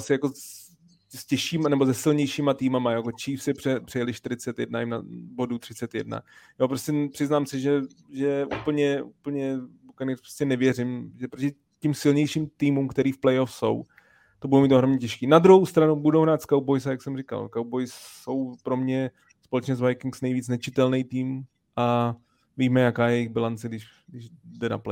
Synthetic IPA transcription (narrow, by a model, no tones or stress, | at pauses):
sɪjako̞ | scɛʃiːmanɛbozɛsɪlɲɛjʃimat̪iːmamajakot͡ʃiːfsɪpr̥ɛpr̥ɛjɛlɪʃt̪ɪɾɪt͡sɛt̪jɛ̰dnajɪmna̰bo̞dut̪r̝̥ɪt͡sɛt̪jɛ̰dna̰joːpɾoscɛpr̥ɪznaːmsɪʒɛʒɛʔuːpl̩ɲɛʔuːpl̩ɲɛbukanɪspɾoscɛnɛvjɛrɪmʒɛpɾocɪ | cɪmsɪlɲɛjʃimt̪iːmumkt̪ɛɾiːfplɛjofso̞̰w | t̪obudowmiːt̪oɦɾomɲɛcɛʃkiːnad̪ɾuɦowst̪ɾanubudowɦɾaːt̪skaw̚bojs̬ajaksɛmrɪka̰lkaw̚bojsso̞wpɾo̞mɲɛ | spolɛt͡ʃɲɛzvajkɪŋksnɛjviːt͡snɛt͡ʃɪt̪ɛlnɛjt̪iːm | ʔa | viːmɛjakaːjɛjɛjɪɣbɪlant͡sɛɡdɪʃ | ɡdɪʒdɛna̰plɛ